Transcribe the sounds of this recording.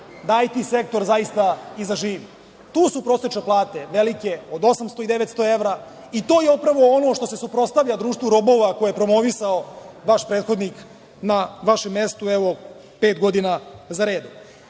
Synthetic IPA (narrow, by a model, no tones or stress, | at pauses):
d̪aːjt̪ise̞k̚t̪o̞ɾzajist̪aizaʒiːʋi | t̪uːsupɾosot͡ʃeplˠaːt̪e̞ʋelike̞od̪o̞samst̪o̞id̪e̞ʋet̪st̪o̞e̞ʋɾa | it̪oːjeopɾaʋo̞ono̞ʃt̪o̞se̞supɾo̞t̪st̪aʋʎad̪ɾuːʃt̪vuɾo̞bo̞ʋakojejepɾo̞mo̞ʋisaoʋaʃpɾeːt̪xo̞d̪nik | naʋaʃemːest̪ueʋo̞ | pe̞ːt̪ɡo̞d̪inazaɾe̞ːd̪